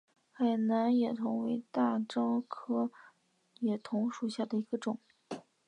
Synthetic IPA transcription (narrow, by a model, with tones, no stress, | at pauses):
xa˨˩ɪna˧˥njɛ˨˩t̪ʰʊ˧˥ŋwe˧˥ɪt̪a˥˩ʈ͡ʂɑ˥ŋkʰɤ˥ | jɛ˨˩t̪ʰʊ˧˥ŋʂu˨˩ɕja˥˩d̪ə˩i˧˥ɡ̥ə˧ʈ͡ʂʊ˨˩˦ŋ